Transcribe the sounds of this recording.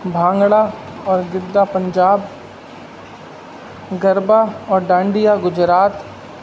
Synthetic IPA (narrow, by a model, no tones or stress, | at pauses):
bʱãːŋɡɽaɔːɾɡɪd̪ːapə̃ɲd͡ʒaːb | ɡɐɾbaɔːɾɖãːɳɖijaɡʊd͡ʒɾaːt̪